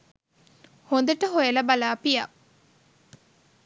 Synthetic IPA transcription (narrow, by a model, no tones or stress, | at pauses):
hond̪ɐʈəɦojelɐbalaːpija̰